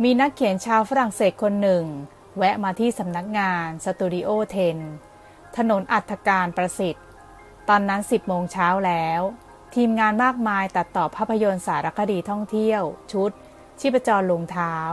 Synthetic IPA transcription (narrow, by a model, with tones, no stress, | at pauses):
miː˧na˦˥kʰːi˨˩˦ənt͡ɕʰaː˧wfa˦˥ɾa˨˩ŋseː˨˩t̪̚kʰo˧nːɯ˨˩ŋ | wɛ˦˥ʔmaː˧t̪ʰiː˥˩sa˩˦mna˦˥k̚ŋaː˧nsa˧t̪uː˧ɾi˦˥ʔoː˥˩t̪ʰe˧n | t̪ʰa˧no˩˦nʔa˨˩t̪ʰːa˧kaː˧npɾa˧si˨˩t̪̚ː | ɔː˧nːa˦˥nsi˨˩p̚moː˧ŋt͡ɕʰaː˦˥wlɛː˦˥w | t̪ʰiː˧mŋaː˧nmaː˥˩k̚maː˧jt̪a˨˩t̪ːɔː˨˩pʰːaː˦˥pʰːa˧jo˧nsaː˩˦ɾa˦˥kʰːa˧diː˧t̪ʰɔ˥˩ŋt̪ʰi˥˩əwt͡ɕʰu˦˥t̪̚ | t͡ɕʰiː˦˥˩pa˧t͡ɕɔː˧nlo˧ŋt̪ʰaː˦˥w